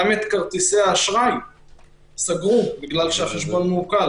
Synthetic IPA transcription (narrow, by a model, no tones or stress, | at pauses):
amet̪kaʁt̪iseaːʃʁajm | saɡʁubiɡlalʃeaχeʃbo̞nmukal